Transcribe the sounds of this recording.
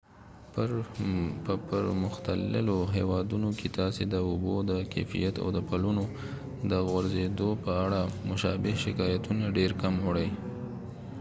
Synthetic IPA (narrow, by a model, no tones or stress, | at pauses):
p | pəpəɾmʊxt̪alɪ̰loɦewɑd̪unokʰet̪ɑsed̪əʊbod̪əka̰fḭjat̪a̰wd̪əpaluno | d̪əɣwaɾzed̪opəaɽamʊʃɑbɪhʃɪkɑjat̪unaɖeɾkamwɽəj